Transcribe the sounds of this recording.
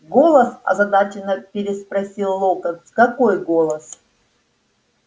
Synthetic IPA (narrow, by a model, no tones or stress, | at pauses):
ɡolˠəsɐ̰zɐd̪at͡ɕɪnəpʲɪɾʲɪspɾɐsʲilˠːokəskɐkojɡolˠəs